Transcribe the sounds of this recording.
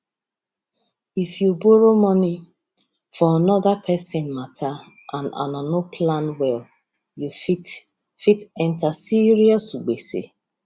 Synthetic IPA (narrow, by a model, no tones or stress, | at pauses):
ifjuboɾomɔni | fɔanɔðapʰɛsɪ̃nmatʰa | ʔãna̰nanopʰlãnwɛl | jufi | fitɛ̃ntasiɾiɔsuɡ͡besḛ